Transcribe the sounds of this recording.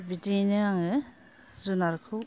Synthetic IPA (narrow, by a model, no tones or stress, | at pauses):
bitinɯaŋɯ | zunaɾkʰɯ